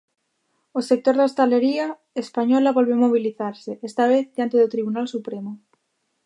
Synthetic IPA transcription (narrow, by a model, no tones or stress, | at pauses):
osek̚t̪oɾðaost̪aleɾia | espaɲolaβolβomoβ̞iliθaɾseʔest̪aβ̞eθd̪jant̪eðot̪ɾiβunalsupɾemo